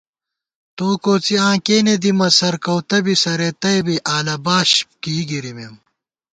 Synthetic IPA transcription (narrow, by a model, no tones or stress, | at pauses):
t̪oːkoːt͡siãːkeːned̪imɐsɐɾkɐwt̪ɐbisɐɾet̪ɐjbiʔaːlɐbaːɕp̚kiːɡiɾimem